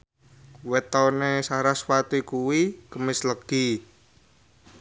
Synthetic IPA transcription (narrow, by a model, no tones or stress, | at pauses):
wet̪ɔnesaɾaswat̪ikuwikəmɪsləɡ̥i